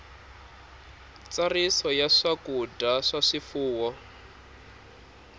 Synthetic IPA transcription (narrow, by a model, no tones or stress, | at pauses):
t͡sarisɔjaʂakudaʂaʂifuːwɔ